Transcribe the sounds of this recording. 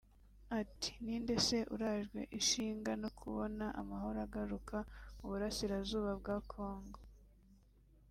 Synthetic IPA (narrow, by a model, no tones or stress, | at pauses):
atʰi̥niːnde̞se̞ʔṵɾaʒɡwe̞̰ʔiʃiːŋɡanokʰuβonaʔa̰mahoɾaɡaɾukʰauβuɾasiɾazuːβabɡaːkʰo̞ːŋɡo